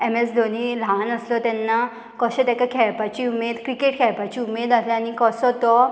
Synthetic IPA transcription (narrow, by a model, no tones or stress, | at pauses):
emesd̪ʱonilanəslɔt̪ɛnːa | kɔɕẽt̪akakʰɛɭpat͡ɕiumed̪kɾikeʈkʰɛɭpat͡ɕiumed̪əsleañikɔsɔt̪ɔ